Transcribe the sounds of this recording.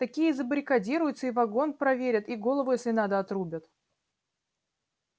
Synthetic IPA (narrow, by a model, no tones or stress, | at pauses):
t̪ɐkʲijəzəbɾʲɪkɐdʲiɾʊjʊt̪səivɐɡo̞npɾɐvʲeɾʲət̪iɡo̞lˠəvʊjesʲlʲɪnad̪əɐt̪ɾubʲət̪